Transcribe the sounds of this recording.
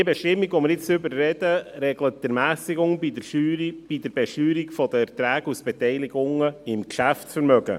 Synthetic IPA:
iəbɛʃtɪmːiɡʋɔməɾjɪt͡sʏbəɾːɛd̥əɾɛɡlətdɛɾmæːsɪɡʊŋbidəyb̥id̪əɾbɛʃyːɾikfɔd̪əɛɾt̪ɾæːɡusb̥ɛtɛɪlɪɡʊŋəɪmkʃæfsfəɾmœɡə̰

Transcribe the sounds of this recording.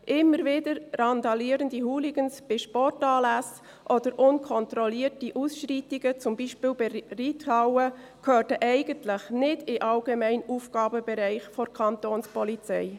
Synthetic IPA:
ʔɪmːəɾvɪdəɾːɑnd̪ɑliːɾəndiɦuːliɡənsb̥ɪʃpɔrtɑːlæs | ʔod̥əɾʔʊnkʰɔntɾɔliːətiʔusʃriːtɪɡət͡sʊmbiːʃpiːlbɛrithɑwə | kʰøːtəʔɛɪɡ̥əntlɪχnɪdɪʔɑlɡemɛɪnuːfɡ̥ɑːbəbɛɾæɪχfɔɾkʰɑntoːnspɔlit͡sɛɪ

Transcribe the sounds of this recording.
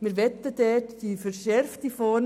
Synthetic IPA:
mɪɾʋɛt̪ːədɛtdifəɾʃɛɾft̪ifɔːɾn

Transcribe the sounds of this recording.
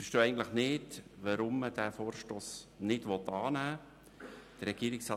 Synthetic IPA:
fəʃtoːɛɪɡəntləχnɪdʋəɾʊmːəd̥æːfoːɾʃtoːsnɪtʋɔt̪ːɑːnæː | d̥əɾɛɡ̥iːɾɪksɑ

